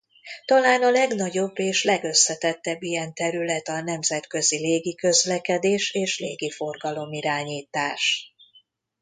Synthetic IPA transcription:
t̪ɒlaːnɒlɛɡnɒɟo̞bːeːʃlɛɡø̞sːɛt̪ɛt̪ːɛbːijɛnt̪ɛɾylɛt̪ɒnɛmzɛt̪kø̞zileːɡikø̞zlɛkɛd̪eːʃeːʃleːɡifo̞rɡɒlo̞miɾaːɲiːt̪aːʃ

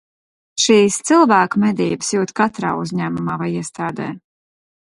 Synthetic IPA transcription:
ʃiːst̪silˠvæːkumɛd̪iːbəsjuːt̪kat̪ɾa̰ːuzʲɲæːmumaːvajiɛst̪aːd̪ɛ̰ː

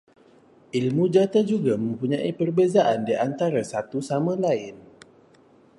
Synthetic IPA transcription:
ʔilmud͡ʒat̪ad͡ʒuɡamə̃mpuɲãʔipərbezaʔandiʔant̪aɾasat̪usamãlaɪn

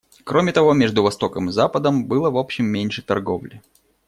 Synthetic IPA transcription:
kɾomʲɪt̪ɐvo̞mʲeʐd̪ʊvɐst̪o̞kəmɨzapəd̪əmbɨlˠəvo̞pɕːɪmːʲenʲʂɨt̪ɐ̰rɡo̞̰vlʲɪ̰

